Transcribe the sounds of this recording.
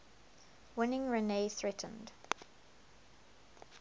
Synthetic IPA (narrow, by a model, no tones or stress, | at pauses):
wɪnɪ̃ŋɹɛneːθɹɛtʰə̃n̩d̥